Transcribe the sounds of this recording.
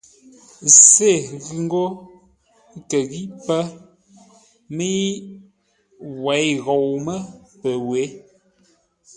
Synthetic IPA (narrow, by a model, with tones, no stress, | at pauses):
se˦˨ɣʉ˨ŋ˦ɡo˦ | kə˨ɣi˦pə˦ | mi˦i˦ | wɛ˨˦jɣɔ˨wmə˦pə˨we˨˦